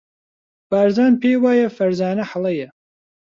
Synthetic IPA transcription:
b̥aːɾzaːnpʰeːwaːjɐfɐɾzaːnɐħalɐjɐ

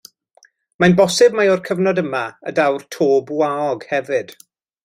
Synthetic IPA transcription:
majnbɔsɨbmajɔrkʰəvnɔdəmaə̰dawrtʰoːbwaɔɡhɛvɨd̥

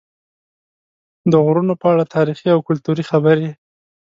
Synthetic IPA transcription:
d̪əɣɾunopəaɽat̪ʰɑɾixiawkʊlt̪uɾixabəɾe

